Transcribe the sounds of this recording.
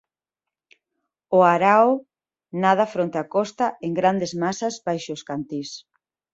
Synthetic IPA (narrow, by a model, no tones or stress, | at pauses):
ʊaɾaʊ | nað̞ɐfɾont̪eakɔst̪aʔeŋɡɾand̪ezmasazbajʃʊskant̪is